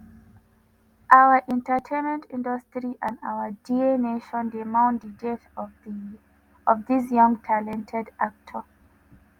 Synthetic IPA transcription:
ʔaʊəʔɛ̃ntətʰẽnmɛ̃ntĩndəstɹiʔãna̰wədieneʃɔ̃ndimãʊ̃ndidɛt | ɔvðis̬jʌ̃ŋtʰalɛ̃ntʰɛdʔak̚tʰə

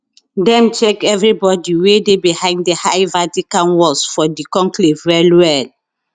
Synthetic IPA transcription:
dɛ̃nt͡ʃɛkɛvɹibɔdiwedebihãɪ̃nddehaɪvatikãnwɔsfɔdikɔ̃ŋklivwɛlwɛl

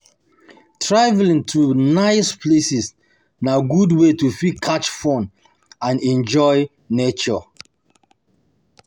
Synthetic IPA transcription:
tʰɹavlĩŋtʰunaɪspʰlesis | naɡudwetufikʰat͡ʃfɔ̃n | ãnɛ̃nd͡ʒɔɪ | net͡ʃɔ

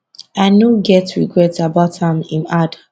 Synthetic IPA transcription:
aɪnoɡɛtʰɹiɡɹɛtsabathãmĩnada

